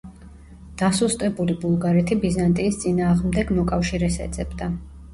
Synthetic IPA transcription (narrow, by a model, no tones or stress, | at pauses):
d̪̥asust̪ʼɛbulibulˠɡaɾɛt̪ʰibizant̪ʼiːst̪sʼinaːʁmd̪ɛɡmɔkʼafʃiɾɛsɛ̰d̪zʼɛbd̪a